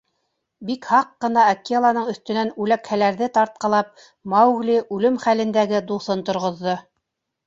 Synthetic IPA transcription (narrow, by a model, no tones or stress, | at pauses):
bikhɑqːɤ̆nɑɐkːiɑlˠɑnɤɴɵ̆θt̪ɵ̆nænʉlækhælæɾðɘt̪ɑɾt̪̚qɑ̆lˠɑp̚ | mɑwɣlʲiʔʉlɘmχælɘ̆nd̪æɡɘd̪uθɤnt̪ŏɾʁŏðːo